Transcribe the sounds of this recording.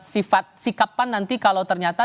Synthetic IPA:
sifat̪̚sikapanːant̪ikalawt̪ərɲat̪a

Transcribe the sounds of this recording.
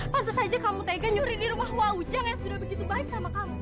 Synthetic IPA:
pant̪asad͡ʒakamut̪aɡaɲuɾidiɾumahwaud͡ʒaŋjaŋsudahbəɡit̪ubaɪk̚samakamu

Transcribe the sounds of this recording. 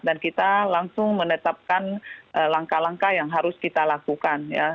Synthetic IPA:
dankit̪alaŋsʊŋmənət̪ap̚kanʔəlaŋkalaŋkajaŋɦaɾʊskit̪alakukanja̰

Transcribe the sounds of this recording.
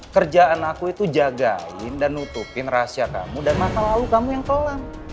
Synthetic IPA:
kərd͡ʒaʔanakuit̪ud͡ʒaɡa̰ɪ̰ndanːut̪upɪnrasiaka̰mudanmasalalukamujaŋkəlam

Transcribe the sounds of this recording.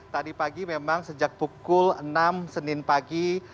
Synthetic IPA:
t̪adipaɡimemaŋsəd͡ʒak̚bukʊlənamsənɪnpaɡi

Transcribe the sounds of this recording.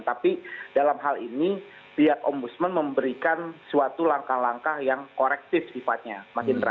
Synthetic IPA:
t̪apidalamɦalini | t̪iakɔmbusmənməmbəɾikansuat̪ulaŋkahlaŋkahjaŋkoɾɛk̚t̪ɪfsifat̪̚ɲamasɪnt̪əɾa

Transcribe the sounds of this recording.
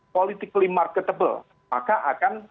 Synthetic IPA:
polit̪ɪklimarkət̪əbə̰l | ma̰kaʔakan

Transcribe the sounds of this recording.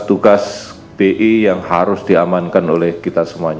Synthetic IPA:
t̪uɡas | b̥eʔijaŋhaɾʊsd̥iamankanolɛhkit̪asəmuaɲ

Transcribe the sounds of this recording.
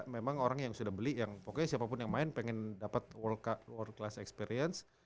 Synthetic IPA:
memaŋoɾaŋjaŋsudahbəlijaŋpokosiapapʊnjaŋmaɪnpɛŋɛndapat̪̚wɔrkwərd̚klasɛ̰kspɛɾiəns

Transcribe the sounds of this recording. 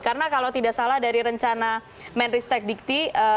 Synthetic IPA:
karənakalawt̪idaʔsalahdaɾiɾəɲt͡ʃana | mɛnrist̪ɛk̚dik̚t̪iə

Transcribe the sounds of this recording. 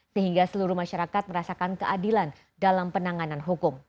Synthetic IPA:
səɦiŋɡasəluɾuhmaʃaɾakat̪̚məɾasakankəʔadilan | dalampənaŋananɦukʊm

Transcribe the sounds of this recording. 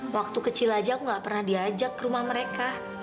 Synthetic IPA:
wak̚t̪ukət͡ʃilad͡ʒakuŋɡaʔpərnahdiad͡ʒakːəɾumahməɾeka

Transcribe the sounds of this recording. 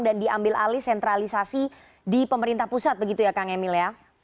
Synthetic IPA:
ŋdandiambɪlʔa̰lɪhsɛnt̪ɾalisasi | dipəməɾint̪ahpusat̪̚bəɡit̪ujakaŋemɪlja

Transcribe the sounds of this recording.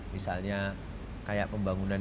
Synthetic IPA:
misalɲa | kajaʔ̚pəmbaŋunan

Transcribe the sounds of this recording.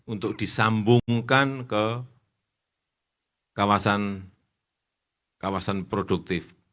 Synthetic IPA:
unt̪ʊk̚d̪̥isambuŋkankə | kawasan | kawasanpɾod̥uk̚t̪ɪf

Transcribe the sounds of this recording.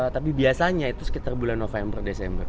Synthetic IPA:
ət̪ap̬ibiasaɲait̪usə̥kit̪arbulanːofɛmbərdesɛmbər

